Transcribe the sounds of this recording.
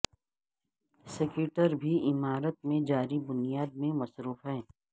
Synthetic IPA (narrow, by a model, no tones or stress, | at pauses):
sɪkjuːʈəɾbʱiɪmaːɾət̪̚mẽd͡ʒaːɾibʊnijaːd̪̚mẽmɐsɾuːfɦɛ̃ː